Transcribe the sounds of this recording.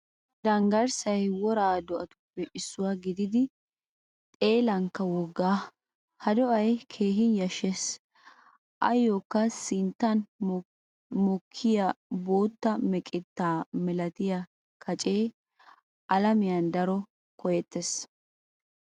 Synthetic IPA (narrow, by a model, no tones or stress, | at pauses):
d̪ɐŋɡɐɾsɐjwɔɾaːd̪ɔʔɐt̪ʊ̥pːɛʔɪsːʊwaɡɪd̪ɪd̪ɪ | t̪ʼe̞ːlɐŋkːɐwɔɡːaː | hɐd̪ɔʔɐjkʰe̞ːɦɪjɐʃɛs | ʔɐ̰joːkːɐsɪnt̪ːɐn | mɔkʰːɪjaboːt̪ːɐmɛkʼɪt̪ːaːmɛlɐt̪ɪjɐ | kʰɐt͡ʃʼeː | ʔɐlɐmɪjɐnd̪ɐɾɔ | kɔjɛt̪ːes